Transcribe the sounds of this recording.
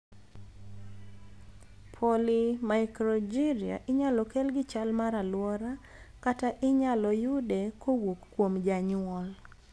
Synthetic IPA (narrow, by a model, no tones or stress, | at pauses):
pʰolimaɪkɾɔd͡ʒiɾia̰ʔɪɲalɔkelɡɪt͡ʃalmaɾalwɔɾa | kataʔɪɲalɔjʊdekʰowokːwomd͡ʒaɲɔl